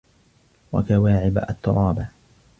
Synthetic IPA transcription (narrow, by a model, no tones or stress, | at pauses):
wa̰kawaːʕɪbʔa̰t̪ːʊɾˤɑːba